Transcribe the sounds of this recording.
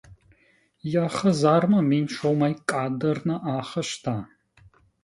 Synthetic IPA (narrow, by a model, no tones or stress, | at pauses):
jaχɐzaːrmɐminʃʷʰowmɐjkʼaːdɐrnɐʔaːχɐʃtʰaː